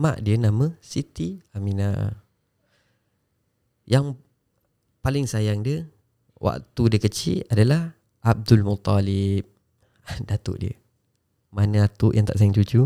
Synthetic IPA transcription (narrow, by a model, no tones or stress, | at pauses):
ma̰ʔdiənamə̃sit̪iamina | jaŋ | palɪŋsajaŋdiə | wʔa̰ʔt̪udiəkət͡ʃḭladalah | ʔab̚dulmut̪ˤːɑlɪp̚ | dat̪ʊ̰ʔdḭə̰ | manaat̪ʊʔjaŋt̪aʔsajaŋt͡ʃud͡ʒu